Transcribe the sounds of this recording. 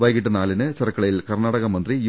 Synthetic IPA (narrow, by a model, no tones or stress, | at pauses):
ʋɐːjkiʈːɨnaːlinɨt͡ɕɐrɐkːɐɭɐjilkɐrnaːɽɐɣɐmɐnd̪rij